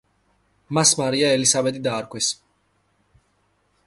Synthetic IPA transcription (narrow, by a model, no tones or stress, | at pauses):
masmaɾijaɛlisabɛt̪id̪aːɾkwɛs